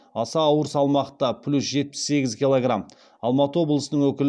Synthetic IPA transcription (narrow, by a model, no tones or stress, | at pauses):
ɑsɑːwəɾəsɑlˠmɑqt̪ɑpʰlʲusʒe̞t̪̚pɪ̥sːe̞ɡʲɪzkʲilˠoɡram | ɑlˠmɑt̪əwo̞blˠəsənəɴwɵkʲɪl